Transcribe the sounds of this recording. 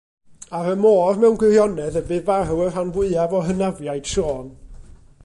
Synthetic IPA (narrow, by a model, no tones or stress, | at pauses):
aɾəmoːrmɛwnɡwɪrjɔnɛðəbɨvaruwər̥anvɪɨavɔɦənavjajd̥ʃoːn